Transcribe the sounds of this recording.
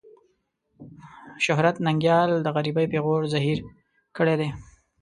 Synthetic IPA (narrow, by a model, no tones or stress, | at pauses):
ʃʊɦɾat̪naŋɡjɑld̪əɣaɾibajpeɣoɽzaɦiɾ | kəɽed̪e